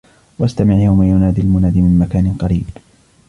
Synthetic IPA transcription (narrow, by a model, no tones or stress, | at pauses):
waʔast̪amɪʕjawmajʊnaːd̪ilmʊnaːd̪iːmɪnmakaːnɪqɑɾiːb